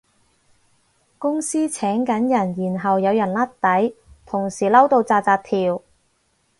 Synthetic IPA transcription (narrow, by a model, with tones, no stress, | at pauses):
kʊ˥ŋsiː˥t͡sʰɛː˨˥ŋkɐ˨˥njɐ˨˩njiː˨˩nɦɐ˨wjɐ˨˧wjɐ˨˩nlɐ˥t̚t̪ɐ˨˥jt̪ʰʊ˨˩ŋsiː˨˩lɐ˥wt̪o˧wt͡saː˧t͡saː˧t̚t̪ʰiː˨˩w